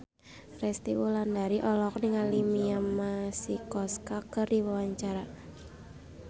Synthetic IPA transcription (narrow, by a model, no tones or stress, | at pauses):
rɛst̪iwulandaɾiʔɔlɔk̚niŋalimiamasikɔskakɨrdiwawaɲt͡ʃaɾa